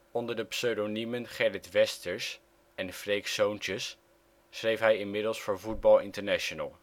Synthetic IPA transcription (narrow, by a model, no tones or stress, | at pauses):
ɔndəɹdəpsøɥdonimənχɛɹɪtʋɛstəɹs | ɛnfrejksownt͡ʃəsː | rejfɦɛjɪnmɪdəlˠsfʊːɹvud̚bɑlˠɪ̰ntəɹnaʃonə̰lˠ